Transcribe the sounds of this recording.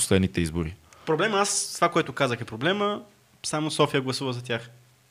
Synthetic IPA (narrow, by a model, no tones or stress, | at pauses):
po̥slɛd̪nit̪ɛizbʊɾipɾoblɛmast̪vakoɛt̪ʊkazəxɛpɾoblɛmə | samosɔfijəɡlˠɐsuvəzɐt̪ʲjax